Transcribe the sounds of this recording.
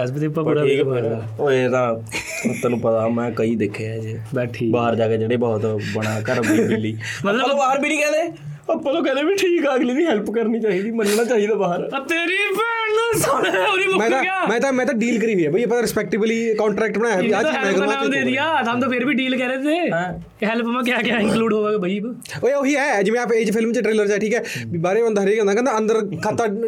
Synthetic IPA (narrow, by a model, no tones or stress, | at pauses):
ɛsbid̪ipːãpːɾaiːkaɾ | et̪aː | ət̪ːãnũːpət̪amɛ̃ːkəiːd̪eːkʰeɛd͡ʒeːbɛʈʰiːbaːɦəɾd͡ʒaːɡeːd͡ʒeːɽeːbɔːt̪bəɽ̃aːkəʈəɡiblːiːmɐət̪ləãːt̪obaːəɾbiːnĩːkɛːleː | əpːãːt̪õːkəneːbiːʈʰiːkɛəɡliːd̪iːɦɛlpkəɾniːt͡ʃaːɦiːd̪iːmənnaːt͡ʃaːɦid̪aːbaːɦəɾt̪eːɾipʰɛːsooɾiːbʊmɛ̃ːt̪ãaːmɛ̃ːt̪ãmɛ̃ːt̪ãɖiːlkəɾiːʋiːɛːbaiəpːãːɾɪspɛk̚ʈɪbliːkɔ̃ːɳʈɾɛːk̚ʈbənaːjaɦɛiamɛ̃kːãd̪eːd̪ijaːt̪ɦəmt̪oːpʰɪɾbʱiːɖiːlkɛːɾeːt̪eːɛ | ɦɛlpmãːk̬jaːkɪjaɪ̃nkluːɖɦoːʋeːɡabəib | ooɦiɦɛːd͡ʒɪmɛ̃aːped͡ʒpʰɪlmt͡ʃəʈɾeːləɾt͡ʃaːʈʰiːkɛːbaːɾeə̃nd̪ɦəɾeːkənd̪aːkɛ̃nd̪aə̃nd̪əɾkʰat̪ːa